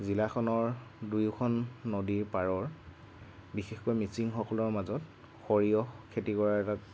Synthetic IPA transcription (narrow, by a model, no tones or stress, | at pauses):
zilaxʰɔnɔɹdujkʰɔnːodiɹpaɹɔɹ | bixexkɔjmisiŋxɔkɔlɔɹmazɔt | xoɹijɔkʰetikɔɹaɛta